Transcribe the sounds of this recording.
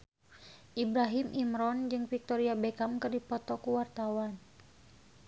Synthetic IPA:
ʔibɾaɦimʔimɾɔnd͡ʒɨŋfik̚t̪ɔɾiabekamkɨrdipɔt̪ɔkuwart̪awan

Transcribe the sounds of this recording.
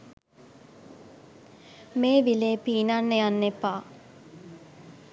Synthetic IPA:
meːʋileːpiːnanːejanːepaː

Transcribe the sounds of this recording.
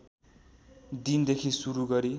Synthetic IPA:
d̪ind̪ekʰisuɾuɡʌɾi

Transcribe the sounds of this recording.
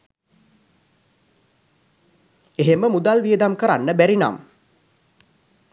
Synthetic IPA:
eɦeməmud̪alʋiəd̪amkəɾanːəbæɾina̰m

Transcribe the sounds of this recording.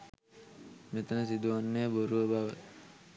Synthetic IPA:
met̪ənəsid̪uʋanːeboɾuʋəbaʋə

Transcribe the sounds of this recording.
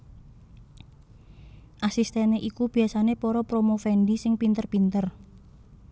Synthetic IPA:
ʔasist̪ɛneʔikub̥i̤asanepoɾɔpɾomofɛnɖisɪŋpint̪ərpint̪ər

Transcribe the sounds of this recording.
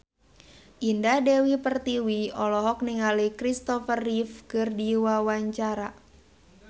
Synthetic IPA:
ʔindadɛwipərt̪iwiɔlɔɦɔk̚niŋalikɾist̪ɔfərifkɨrdiwawaɲt͡ʃaɾa

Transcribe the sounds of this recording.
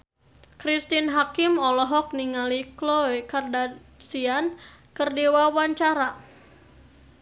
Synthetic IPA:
kɾist̪inɦakɪmɔlɔɦɔk̚niŋaliklɔikardasiankɨrdiwawaɲt͡ʃaɾa

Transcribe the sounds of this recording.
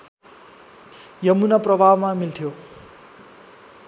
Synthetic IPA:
jʌmunaprʌbʱawmamilt̪ʰijo

